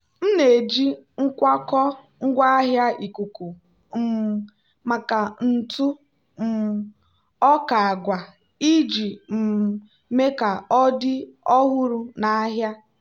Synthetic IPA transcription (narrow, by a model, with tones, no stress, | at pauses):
n̩˦ne˨d͡ʒi˦ŋ̩˦kʷa˦kɔ˦ | ŋ̩˦ɡʷa˦a˦ɦja˦i˨ku˨ku˨ | m̩˨ | ma˨ka˨n̩˨tu˦ | m̩˨ | ɔ˦ka˨a˨ɡʷa˨ | i˦d͡ʒi˨m̩˨ | me˦ka˨ɔ˦dɪ˦ɔ˦ɦʊ˦ɾu˦na˦ɦja˦